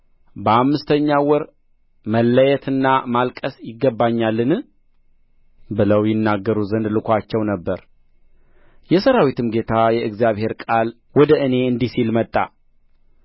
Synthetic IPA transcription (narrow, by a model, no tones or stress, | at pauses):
bəamːɨst̪ʰəɲːawɔɾ | məlːəjɛt̪ʰɨnːamalkʼəsjɪɡːəbːaɲːalːɨnɨ | bɨləwjɪnːaɡːəɾuzənd̪lɨkʰʷat͡ʃːɛwnəbːəɾ | jɛsəɾawit̪ʰɨmɡe̞t̪ʰajɛɨɡzijaβhe̞ɾkʼal | wɔd̪əʔɨne̞ɨnd̪isilmət̪ʼːa̰